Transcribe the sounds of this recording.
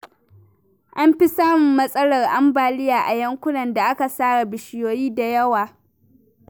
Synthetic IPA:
ʔa˦mɸɪ˦saː˦mɪ˨mːɐ˦sʼɐ˦lɐ˨rʔa˦mbaː˨lɪ˦jaː˨ʔa˨jɐ˦ŋkʷʊ˦nɐ˨nda˨ʔa˦ka˨saː˦ɽa˨bɪ˨ʃɪ˨joː˨jiː˦da˨jɐ˦waː˨

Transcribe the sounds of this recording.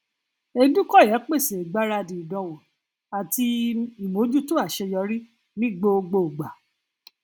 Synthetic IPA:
e˧˦dũ˦kɔ˦˨jɛ˨˦k͡pe˦˨se˨ɡ͡ba˨˦ɾa˧dĩ˨dɔ̃˧wo˨ | a˨ti˧i˨mõ˨˦d͡ʒu˦tu˦a˦˨ʃɛ˧jɔ˧ɾi˦ | nĩ˦ɡ͡bo˧o˧ɡ͡bo˧˨u˨ɡ͡ba˨

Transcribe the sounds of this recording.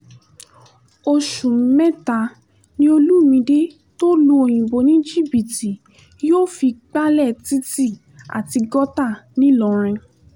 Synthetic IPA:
o˧ʃũ˨m̩˦mɛ˦ta˨˧ | nĩ˦o˧lu˦˨mĩ˧de˦ | to˦lu˧o˨j̃ĩ˨bo˨nĩ˦d͡ʒi˦˨bi˨ti˨ | joː˦˨fi˧k͡pa˦lɛ˦˨ti˦ti˦˨ | a̰˨ti˧ɡɔ˦ta˦˨nĩ˨˦lɔ˨˦ɾ̃ɛ̃˧

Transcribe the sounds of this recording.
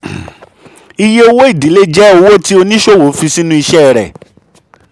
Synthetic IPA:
i˧je˦o˧wo˦i˦˨di˨˦le˦d͡ʒɛ˦o˧wo˦ti˦o˧nĩ˦ʃo˦˨wo˨˦fi˧si˦nũ˦i˧ʃɛ˦˨ɾɛ̰˨

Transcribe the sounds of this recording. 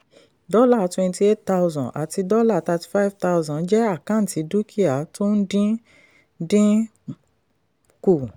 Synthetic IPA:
dɔ˦la˦˨twɛ̃˧nti˧e˦t̚ta˧wzɔ̃˨ʔa̰˨ti˧dɔ˦la˦˨ta˧ti̥˨fa˦i˦vta˧uzã˨˦d͡ʒɛ˦a˦˨kã˦n̩˨ti˨˦du˦kʰi˦a˨to˦n̩˦dĩ˦ | dĩ˦ | ku˨

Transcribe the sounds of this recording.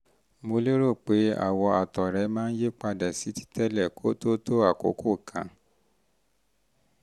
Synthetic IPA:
mo˧lo˦ɾo˦˨k͡pe˨˦a̰˦˨wɔ˧a˨tɔ˨ɾɛ˨˦mãː˦n̩˦je˦k͡pa˧da˨si˨˦ti̥˦tɛ˦lɛ˦˨kʰo˦to˦to˦a˦˨ko̰˨˦kʰo˦˨kʰã̰˨˦

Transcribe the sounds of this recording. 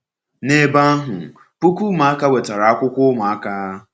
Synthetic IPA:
ne˦ba˦ɦʊ̰˨ | pu˦kʷu˦ma˨a˦ka˦we˨ta˨ɾa˨a˦kʷʊ˦kʷʊ˦ma˨a˦ka˦

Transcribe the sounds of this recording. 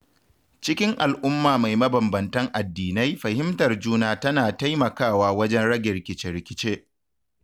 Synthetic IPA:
t͡ʃɪ˦kʲɪ˦ŋʔa˨lʔʊ˦mːaː˨ma˨jmɐ˦bɐ˨mbɐ˨ntɐ˦ŋʔa˨dːiː˨na˦jɸɐ˨hɪ˦mtɐ˨rd͡ʒuː˦naː˦˨tɐ˦naː˨ta˦jmɐ˨kaː˦˨waː˦wɐ˦d͡ʒɛ˦nɽɐ˦ɡʲɛ˨ɾɪ˨kʲɪ˨t͡ʃe˦ɾɪ˨kʲɪ˦t͡ʃeː˦ʔ

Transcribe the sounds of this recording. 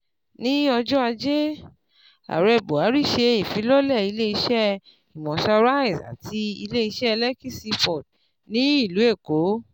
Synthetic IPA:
nĩ˦ɔ˧d͡ʒɔ˦a˧d͡ʒe˦ | a̰˨ɾɛ˨bo˨a˨˦ɾi˦˨ʃe˧i˨fi˨˦lɔ˦lɛ˦˨i˨˧le˦i˧ʃɛ˦ | i˨mɔ̃˨sa˧ɾa˦i˨sa̰˨tʰi˧i˧le˦i˧ʃɛ˦˧lɛ˦ki˦si˧pɔ˨d | nĩ˦i˦˨lu˨˦e˦˨ko˨˦

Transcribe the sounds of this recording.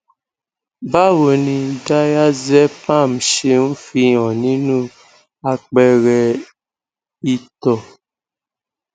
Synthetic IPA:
ba˦wo˨nĩ˨da˦ja˦zɛ˦pã˦˨mʃe˦m̩˦fi˦ɔ̃˨nĩ˦nũ˦ | a˨k͡pɛ˨ɣɛ˨ | i˦tɔ˨

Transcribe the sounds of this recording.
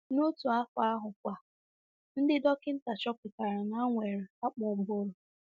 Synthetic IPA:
no˦tu˨a˦fa˦ɦʊ˨kʷa˨ | n̩˦dɪ˦dɔ˦kɪ˦n̩˦ta˨t͡ʃɔ˦pɪ˨ka˨ɾɪ˨na˦ŋʷe˨ɾɪ˨a˦k͡pɔ˨bʊ˦o˦lʊ˨

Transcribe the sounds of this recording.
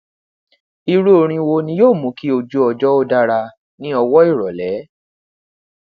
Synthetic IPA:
i˧ɾu˦o˨ɾ̃ĩ˧wo˧nĩ˧˦joː˦˨mũ˨˦ki˦o˧d͡ʒu˧˦ɔ˧d͡ʒɔ˦o˧da˧ɾa˧ | nĩ˦ɔ˧wɔ˦i˦˨ɾɔ˨lɛ˨˦

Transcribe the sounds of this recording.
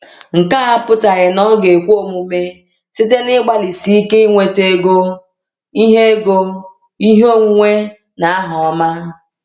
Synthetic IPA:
ŋ̩˨ka˦a˦pʊ˦ta˨ɣɪ˨nɔ˦ɡe˨kʷo˦mu˨me˦ | si˦te˦nɪ˦ɡ͡ba˦li˨si˨i˦ke˦i˦ŋʷe˨te˦ɡo˦ | i˦ɦe˦ɡo˦ | i˦ɦo˦ŋʷu˦ŋʷe˦ | na˨a˦ɦɔ˨ɔ˦ma˦

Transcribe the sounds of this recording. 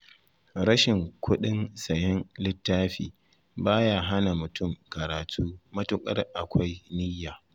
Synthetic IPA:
ɾɐ˦ʃɪ˨ŋkʷʰʊ˦ɗɪ˦nsɐ˨jɪ˦nlɪ˦tːaː˦ɸḭː˨ | baː˦jaː˨ɦa˦na˨mʊ˨tʰʊ˦˨mkɐ˨ɾaː˨tʰuː˦mɐ˦tʊ˦kʼɐ̰˦rʔa˨kʷʰa˦jnɪ˦jːaː˨

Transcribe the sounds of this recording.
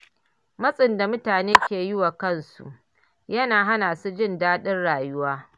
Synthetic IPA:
mɐ˦sʼɪ˨nda˨mʊ˦taː˨neː˦kʲeː˨jɪ˦wa˨kɐ˦nsṵ˨ʔ | jɐ˦naː˨ɦa˦naː˨su˦d͡ʒɪ˦˨ndaː˦ɗɪ˦nɽaː˨jʊ˦waː˦

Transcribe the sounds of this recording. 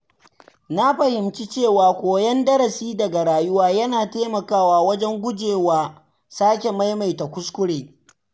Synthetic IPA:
na˦ɸɐ˨hɪ˨mt͡ʃi˦t͡ʃeː˦˨waː˨kʷoː˨jɐ˦ndɐ˦ɽɐ˨siː˦dɐ˨ɡa˨ɽaː˨jʊ˦waː˦jɐ˦naː˨teː˦mɐ˨kaː˦˨waː˨wɐ˦d͡ʒɛ˦ŋɡʷʊ˦d͡ʒeː˨waː˨ | saː˦k̬ʲe˨ma˦jma˨jta˨kʷʊ˦skʷʊ˦ɽeː˨

